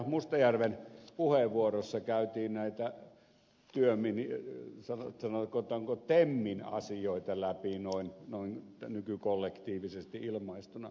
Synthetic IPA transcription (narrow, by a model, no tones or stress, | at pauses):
must̪ɑjærʋenpuheʋʋuorosːɑkæˑyt̪iːnnæˑit̪æ | t̪yøminisɑnsɑnokot̪ˑɑːŋkot̪emːinɑ̰sijoˑit̪ɑlæpinoinnoin | nykykolːekt̪iːʋisest̪iʔilmɑˑist̪unɑ